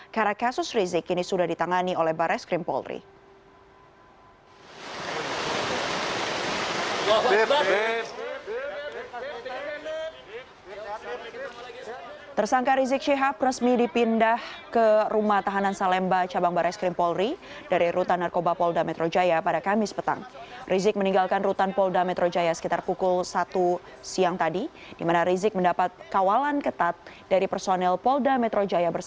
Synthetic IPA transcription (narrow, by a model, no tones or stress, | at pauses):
kaɾakasʊsrizɪkinisudahdit̪aŋaniolɛhbaɾʔɛskɾimpɔ̰lrḭ | t̪ərsaŋkaɾizɪk̚ʃiɦap̚rəsmidipindahkərumaht̪aɦanansalɛmbat͡ʃabaŋbaɾʔaskɾɪmpɔlri | daɾiɾut̪anːarkobapɔldamɛt̪ɾʔod͡ʒajapadakamɪspət̪a̰ŋrizɪk̚məniŋɡalkanrut̪anpɔldamɛt̪ɾod͡ʒajasəkit̪arpukʊlsat̪u | siaŋt̪adi | dimanaɾizɪk̚məndapat̪̚kawalankət̪at̪̚daɾipərsonɛlpɔldamɛt̪ɾod͡ʒajabərs